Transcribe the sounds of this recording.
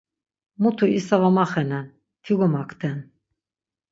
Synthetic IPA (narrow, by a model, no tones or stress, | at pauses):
mut̪ʰuisavamaχɛnɛn | t̪ʰiɡɔmakʰt̪ʰɛn